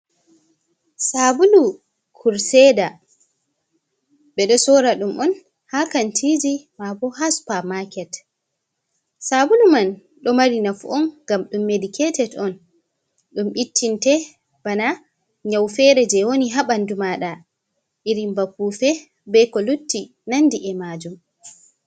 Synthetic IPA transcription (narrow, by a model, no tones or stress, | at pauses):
sabulu | kʰuɾsɛda | ɓɛɗɔsɔɾaɗumʔɔn | hakantʰid͡ʒimabɔɦaspamakɛt | sabuluman | ɗɔmaɾinafuʔɔnɡamɗumːedikʰɛtɛdɔn | ɗumɓitʰːintɛ | b̥ana | ɲawfɛɾɛd͡ʒɛwoniɦaɓandumaɗa | ʔiɾimbapːufɛ | bɛkɔlutːi | nandiʔɛmaːd͡ʒum